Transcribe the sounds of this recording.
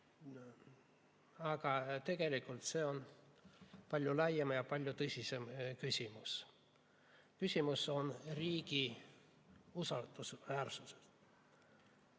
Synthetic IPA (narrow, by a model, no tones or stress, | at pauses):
ɑɡ̥ɑt̪e̞ɡ̥e̞likːˑult̪se̞ːo̞n | pɑlʲjulɑjemjɑpɑlʲjut̪ɤsʲise̞mkysʲimus | kysʲimuso̞nriːɡ̥i | usɑld̪̥usvæːrsuse̥